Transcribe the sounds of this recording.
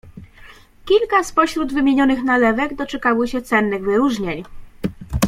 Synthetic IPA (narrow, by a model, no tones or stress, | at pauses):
kʲilkaspɔɕɾud̪vɘmʲjeɲɔnɘxnalɛvɛɡd̪ɔt͡ʂɛkawɘɕɛt̪sɛnːɘɣvɘɾuʐɲeɲ